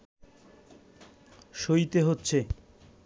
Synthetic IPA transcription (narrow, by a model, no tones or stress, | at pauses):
ʃoit̪eɦotːɕʰe